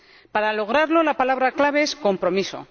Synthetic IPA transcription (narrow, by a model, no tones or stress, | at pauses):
paɾalo̞ɣ̞ɾaɾlo̞lapalaβɾaklaβe̞esko̞mpɾo̞miso̞̰